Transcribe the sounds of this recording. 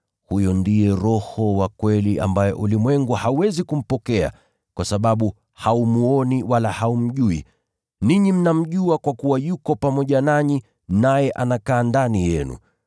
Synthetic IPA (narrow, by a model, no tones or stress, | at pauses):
hujɔndijɛɾɔhɔwakwɛlia̰mbajɛʔulimwɛŋɡuhauwɛzikum̩pɔkɛa̰ | kwasaɓaɓu | haumuɔniwalahaum̩ʄuḭ | niɲim̩nam̩ʄuakwakuwajukɔpamɔʄanaɲi | najɛʔanakaːndanijɛnṵ